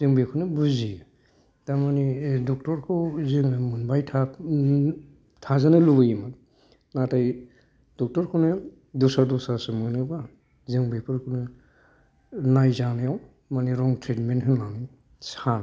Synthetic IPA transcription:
zɯŋbekʰɯnɯbuzi | tamanidɔk̚tɔɾkʰɯwzɯŋmunbajtʰa | tʰazanɯlubɯjma | nataj | d̥ɔk̚tɔɾkʰɔnɯ | dɔsaɾdɔsasɯmɯnɯba | zɯŋbepʰɯɾkʰɔnɯ | najzanɯjaw | maniɾɔŋtʰɾetmentkʰɯnani | san

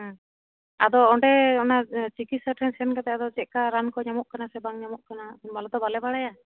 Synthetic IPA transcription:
a̰d̪ɔːɳɖɛɔnat͡ʃikit̪səʈɾɛnsɛnkat̪ɛad̪ɔd͡ʒɛʔ̚kaɾankɔɲamɔʔ̚kanasɛbaŋɲamɔʔkananbalɛd̪ɔbalɛbaɽaja

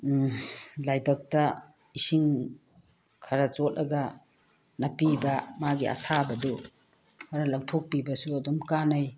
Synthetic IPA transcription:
lajbak̚ta | isiŋ | kʰaɾat͡ʃɔt̚lʔɐɡa | nɐpibamaɡia̰sabɐdo | kʰaɾalaŋtʰok̚pibɐsuɐdɔmkanaj

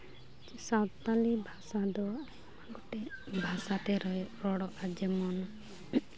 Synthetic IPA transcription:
sawtt̪alibʱasad̪ɔ | aɡɔʈɛbʱasat̪ɛɾɔɾɔɽɔʔad͡ʒɛmɔnɔ

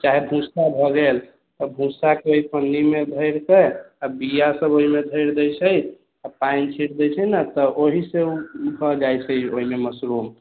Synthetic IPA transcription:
t͡ʃaɦebʱũsabʱɔɡel | t̪əbʱũsakeoɦipənːimed̪ʱəjɾk̪ə | abijasəboɦimed̪ʱəɪɾd̪ɛjt͡ʃʰəj | apaint͡ʃʰiʈd̪ɛjt͡ʃʰɛnat̪əʔoɦisebʱɔd͡ʒajt͡ʃʰəjoɦimeməsɾum

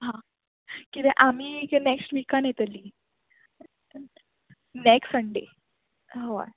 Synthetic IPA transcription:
ɦã | kit̪ɛ̃ʔamiːneksʈʋikãnet̪əliː | nekssəɳɖḛ | ɦoa̰

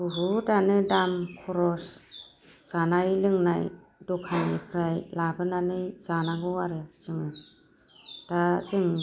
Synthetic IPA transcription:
uɦudanɯdamkʰɔɾɔs | z̥anajlɯŋnaj | dɔkʰajnipʰɾajlabɯnanɯz̥anaɡɯwaɾazɯŋɯ | tazɯŋ

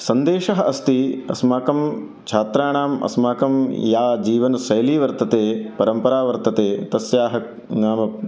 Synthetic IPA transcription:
sɐnd̪eːʃɐɦɐʔɐst̪iɐ̰smaːkɐm | t͡ʃʰaːt̪ɾaːɳaːmɐ̰smaːkɐmjaːd͡ʒiːʋɐnsɐjɐliːʋɐɾt̪ɐt̪eːpɐɾɐmpɐɾaːʋɐɾt̪ɐt̪eːt̪ɐsjaːɦɐ | naːmɐ

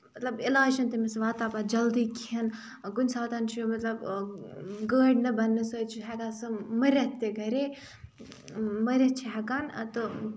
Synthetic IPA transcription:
mɐt̪lɐbilaːʃɐnt̪emesʋaːt̪aːbad͡ʒɐld̪iːkʰiɐn | kunʲsaːt̪ant͡ʃʰijomɐt̪lɐb | ɡəːɖnɐbɐnːɨsot͡ʃʰiɦɛɡasɨmɐɾʲɐt̪ːeɡɐɾe | mɐɾʲɐt͡ʃʰiɦɐkaːnt̪ɨ

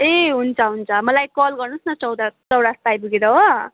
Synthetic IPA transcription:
eɦunt͡sʰʌɦunt͡sʰʌmʌlajkʌlɡʌrnusnʌt͡sʌwdat͡sʌwɽast̪ajbuɡeɾʌɦo

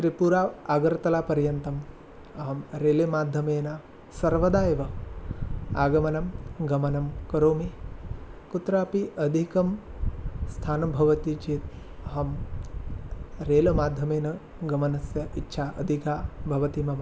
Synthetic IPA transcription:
t̪ɾipuɾaːʋaːɡɐɾt̪ɐlaːpɐɾjɐnt̪ɐm | ɐɦɐmɾeːlemaːd̪ʱjɐmeːnɐ | sɐɾʋɐd̪aːjɐʋɐ | aːɡɐmɐnɐmɡɐmɐnɐmkɐɾoːmi | kut̪ɾaːpiʔɐd̪ʱikɐm | st̪ʰaːnɐbʱɐʋɐt̪it͡ʃeːt̪ | ɐɦɐm | ɾeːlɐmaːd̪ʱjɐmeːnɐ | ɡɐmɐnɐsjɐʔitːʃʰaːʔɐd̪ʱikaːbʱɐʋɐt̪imɐmɐ

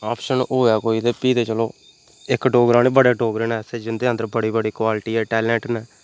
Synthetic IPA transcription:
aːpʰʃənoːɛːkoːiːt̪eːpiːt̪eːt͡ʃəloː | ɪkɖoːɡɾãːneːbəɽeːɖoːɡɾeːnɛːsed͡ʒɪnd̪eːə̃nd̪əɾbəɽiːbəɽiːkwaːlʈiːɛːʈɛːlɛ̃ːʈnɛː

